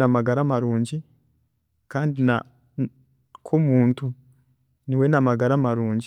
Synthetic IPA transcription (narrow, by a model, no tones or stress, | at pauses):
namaɡaɾamaɾuːɲɟi | kaːndina | kʰumuːntu | niwe̞namaɡaɾamaɾuːɲɟi